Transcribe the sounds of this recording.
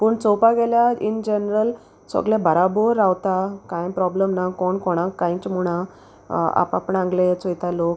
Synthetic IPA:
puːɳt͡sɔpaɡɛljaind͡ʑenɾəl | sə̰ɡlẽbʱəɾaboɾːawt̪akãjpɾɔbləmnakɔɳkɔɽ̃akːãj̃t͡ɕmuɽ̃a | a̰papəɳãŋɡlet͡sɔjt̪alok

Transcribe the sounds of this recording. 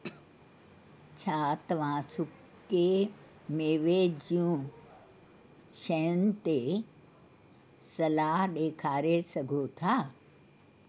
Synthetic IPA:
t͡ʃʰaːt̪ɐʋãːsukː | e | meːʋed͡ʑijũː | ʃɐjənt̪e | sɐlaːɦɗ̪eːkʰaːɾesɐɡʱot̪ʰaː

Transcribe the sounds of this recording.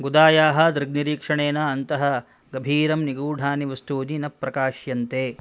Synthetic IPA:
ɡud̪aːjaːɦɐ̆d̪ɾɨɡ̚niɾiːkʂɐɳeːnɐːnt̪ɐɦɐ̆ | ɡɐbʱiːɾɐmniɡuːɖʱaːniʋɐst̪uːd̪inɐpːɾɐkaːʃjɐnt̪eː

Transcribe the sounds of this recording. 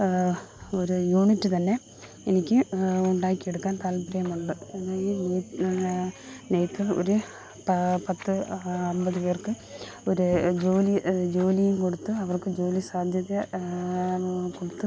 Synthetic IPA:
oɾujuːɳitːɨt̪ɐnːe̞ | enikʲːɨuɳɖaːikʲːieɽukːaːnt̪aːlpɾɐjɐmuɭːɨenːaːine | nejt̪ːilo̰ɾu | pɐpɐt̪ːɨɐmbɐðɨpe̞ːrkɨ | o̞ɾud͡ʑo̞ːlid͡ʑo̞ːlijumko̞ɽut̪ːuɐʋɐrkɨd͡ʑo̞ːlisaːd̪ʱjɐðjɐ | koɽut̪ːu

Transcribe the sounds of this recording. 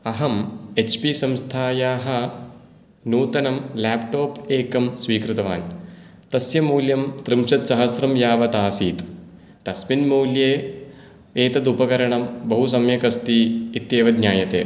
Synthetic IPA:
ɐɦɐmet͡ʃʰpisɐmst̪ʰaːjaːɦɐ̆ | nuːt̪ɐnɐmlaːpʈoːpeːkɐmsʋiːkɾɨt̪ɐʋa̰ːnt̪ɐsjɐmuːljɐmt̪ɾɨmʃɐt̪sɐɦɐsɾɐmjaːʋɐt̪aːsiːt̪ | t̪ɐsminmuːljeː | eːt̪ɐd̪upɐkɐɾɐɳɐmbɐɦusɐmjɐkɐst̪iːt̪jeːʋɐd̪ɲaːjɐt̪ḛː

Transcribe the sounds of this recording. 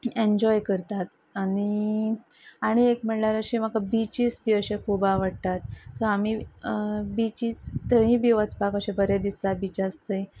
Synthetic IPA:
eɲd͡ʑɔjkəɾt̪at̪ | ani | aɽ̃iekm̤əɭlaɾəɕim̤akabit͡ɕisbiəɕẽkʰubaʋəɽt̪at̪soami | bit͡ɕiːt͡st̪əɦĩbiʋət͡spakəɕẽbəɾed̪ist̪at̪̚bit͡ɕast̪əj

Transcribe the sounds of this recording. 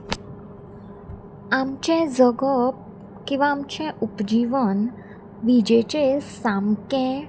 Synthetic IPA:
amt͡ɕẽd͡zəɡəp̚ | kĩw̃ʋaːmt͡ɕẽʔupd͡ʑiʋən | ʋid͡ʑet͡ɕesamkẽ

